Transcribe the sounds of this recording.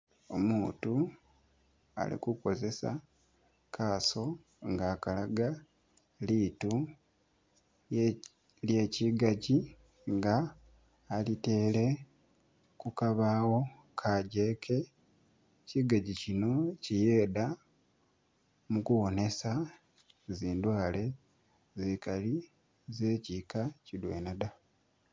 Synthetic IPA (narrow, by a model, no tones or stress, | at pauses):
o̞̰muːtu | a̰lḭkuko̞ze̞sa̰ | kʰaːso̞ | ŋɡaːkalaɡa | liːtu | lje̞ːciɡaɟi | ŋɡaː | lite̞ːle̞ | kukaβaːwo̞ | kʰaɟe̞kʰe̞ | ciɡaɟicino̞cije̞ːda | mukuwo̞ne̞sa | ziːndwaːle̞ | zikali | ze̞ːcikacidwḛnada